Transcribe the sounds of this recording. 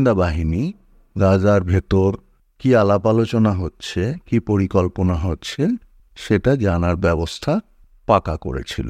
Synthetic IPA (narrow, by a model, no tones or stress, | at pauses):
nd̪abaɦini | ɡad͡ʑaɾbʱet̪oɾ | kialapalot͡ɕonaɦotːɕʰekipoɾikɔlponaɦotːɕʰe | ʃeʈad͡ʑanaɾbɛbost̪ʰa | pakako̰ɾḛt͡ɕʰḭlo̰